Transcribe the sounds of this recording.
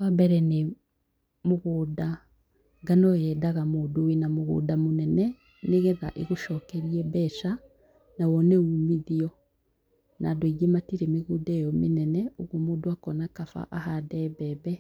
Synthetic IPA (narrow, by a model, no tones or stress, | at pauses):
wambɛɾɛne | moɣuːda | ŋɡanɔjɛdaɣamoːdowenamoɣṵdamonɛnɛ | neɣɛða̰ʔeɣoʃɔːkɛɾiɛbɛʃa | nawɔnɛumiðiɔ | nadwiɡematiɾemeɣudɛjɔmenɛnɛoɣomoːdoakɔnakafa̰ʔahadɛβɛβɛ